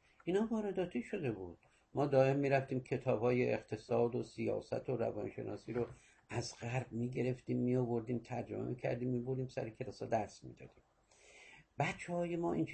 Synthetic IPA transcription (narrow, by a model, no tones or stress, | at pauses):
ʔiːnhɒːvɒːɾed̪ɒːt̪ʰiːʃo̞d̪e̞buːd̪̥̚ | mɒːd̪ɒːemmiːɾæft̪iːmkʰe̞t̪ʰɒːbhɒːjeʔeqt̪ʰe̞sɒːd̪osijɒ̰ːsæ̰t̪ʰoɾæ̰vɒ̰nʃe̞̰nʔɒ̰ːsiːɾo | ʔæzɢæɾbmiːɟe̞ɾe̞ft̪iːmːiobo̞ɾd̪iːmt̪ʰæɾd͡ʒomemiːcʲʰæ̰ɾd̪iːmːiːbo̞ɾd̪iːmsæ̰ɾekʰelɒːsɒːd̪æɾsmḭːd̪̥ɒ̰ːd̪iːm | b̥ætt͡ʃʰːehɒːjemɒːʔin